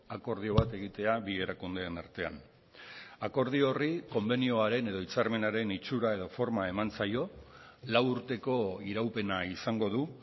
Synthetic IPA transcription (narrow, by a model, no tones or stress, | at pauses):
ako̞ɾðio̞β̞at̪e̞ɣ̞it̪e̞aβie̞ɾakund̪e̞ːnaɾt̪e̞a̰n | ako̞ɾð̞io̞riko̞mbe̞nio̞aɾe̞ne̞ðo̞it͡saɾme̞naɾe̞nit͡suɾae̞ðo̞fo̞ɾmae̞mant͡sajo̞ | lawuɾt̪e̞ko̞iɾawpe̞naisaŋɡo̞ð̞u